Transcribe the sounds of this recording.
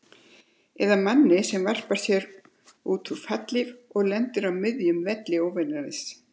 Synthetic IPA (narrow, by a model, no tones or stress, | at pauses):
ɛðamanːɪsɛmvar̥paɾ̥sjɛɾ | uːt̪ʰuɾfat̪lɪvɔɣlɛnt̪ʏɾawmɪðjʏmvɛt̪lɪoːwvɛnaɾɪs